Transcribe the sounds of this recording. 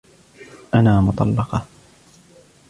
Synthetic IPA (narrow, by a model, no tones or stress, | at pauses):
ʔanaːmʊt̪ˤɑ̰lːɑqɑ